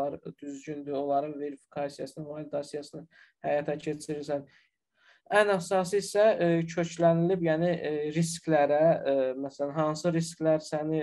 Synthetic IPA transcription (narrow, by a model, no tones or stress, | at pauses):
ɑɾd̪̥yzɟynd̪yo̞lˠɑɾɯnve̞ɾifi̥kʰɑsijɑsɯnɯnmɑlid̪ɑsijɑsɯnɯ | hæjɑt̪ʰæcʰe̞t͡ʃʰiɾiɾsæn | ænæsɑsɯisæcʰø̞t͡ʃʰlænilibjæniɾisklæɾæmæsælænɦɑnsɯɾisklæɾsæni